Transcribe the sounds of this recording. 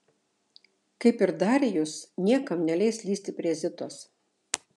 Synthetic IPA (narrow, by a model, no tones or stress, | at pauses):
kɐɪpɪɾd̪ɑːɾʲejʊsnʲiɛkɐmnʲɛlʲɛɪslʲiːsʲt̪ʲɪpʲɾʲiɛzʲɪt̪oːs